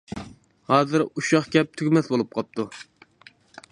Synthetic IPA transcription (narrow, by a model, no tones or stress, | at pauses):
hɑːzɪɾuʃɑχkʲɛp̚t̪ʰyɡʲmɛsbolˠup̚qʰɑp̚t̪ʰu